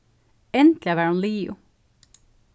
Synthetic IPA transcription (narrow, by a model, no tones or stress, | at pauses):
ɛnt̪lɪɑʋæːɾunliːʊ̰